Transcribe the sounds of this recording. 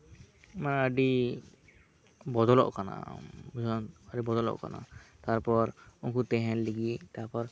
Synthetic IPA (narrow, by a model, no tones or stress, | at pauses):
manəɖi | bɔd̪ɔlɔ̰ʔkana̰buzɔnəɖibɔd̪ɔlɔ̰ʔka̰na̰t̪aɾpɔɾuŋkut̪ɛɦɛnliɡit̪aɾpɔɾ